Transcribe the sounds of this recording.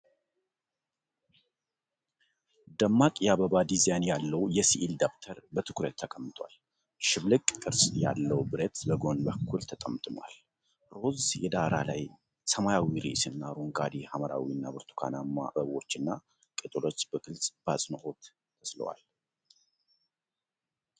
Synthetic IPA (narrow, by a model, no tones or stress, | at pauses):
d̪əmːakʼjɛaβəβad̪izanjalːəwjɛsiʔild̪akt̪ʰəɾbət̪ʰɨ̥kʰɾət̪ʰːəkʼəmːɨt̪ʰʼwa̰l | ʃɪβlɨkʼkʼɨɾsʼja̰lːəwbɨɾet̪bəɡo̞nbəkʰːult̪ʰət̪ʼəmt̪ʼɨmwa̰l | ɾo̞zjɛd̪aɾa̰la̰j | səmajawiɾḭsɨnːaɾuŋɡad̪ihaməɾa̰wiɨnːabɨɾt̪ʰu̥kʰa̰nama̰bəβwo̞t͡ʃːɨnːa | kʼɨt̪ʼɨlo̞t͡ʃːb̥əkʼɨlsʼb̥asʼnoho̞t̪ | t̪ʰəslə̰wa̰l